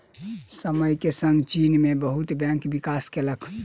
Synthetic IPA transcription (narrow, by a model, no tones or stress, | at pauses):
səməjkesəŋɡt͡ʃinmebəɦut̪bɛ̃ŋkbikaskeləkʰ